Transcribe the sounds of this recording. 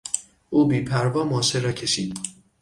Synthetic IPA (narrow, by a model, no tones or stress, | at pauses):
ʔuːbiːpʰæɾvɒːmɔːseɾɒːcʰe̞ʃiːd̪